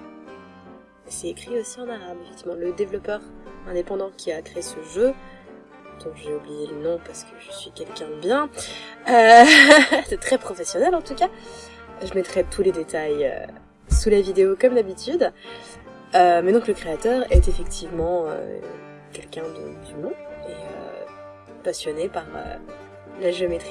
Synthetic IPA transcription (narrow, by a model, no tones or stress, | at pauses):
ɛsɛekχiosiɑ̃naʁabefɛk̚t̪ivmɑ̃ləd̪evlɔpœʁɛ̃d̪epɑ̃d̪ɑ̃kʲʰiakχeesəʒø | d̪̥ɔ̃ʒeublijelənɔ̃paʁsə̥kəʒəsɥikʲɛlkʲɛ̃əbjɛ̃ø | sɛt̪χɛpχɔfɛsjɔnɛlɑ̃t̪uka | ʒəmɛt̪χɛt̪ʰuled̪et̪ajø̰ | sulavid̪eokɔmd̪abit̪yd̪ | ømɛd̪ɔ̃kləkχeat̪œʁɛt̪efɛkt̪ʰivmɑ̃ø̰ | kʲɛlkʲɛ̃d̪ə̰d̪ymɔ̃eø̰ | pasjɔnepaʁø̰ | laʒeomet̪χi